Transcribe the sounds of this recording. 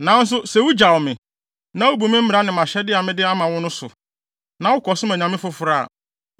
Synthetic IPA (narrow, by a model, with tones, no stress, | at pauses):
nã˨˦n̩˦s̬ʊ˦sɛ˨wu˦d͡ʑa˨wmɪ̃˨ | nã˨˦o˦bu˨mɪ̃˦m̩˦m˨ɾa˦nɪ̃˨mã˨ɕɛ˦dɪ˦a˨mɪ̃˦dɪ˦a˦mã˨wʊ̃˦nʊ̃˦sʊ̰˨ | nã˨wʊ˦kɔ˨sʊ̃˦mæ̃˨ɲã˨mɪ̃˦fʊ˨fʊ˨ɾa̰˦˨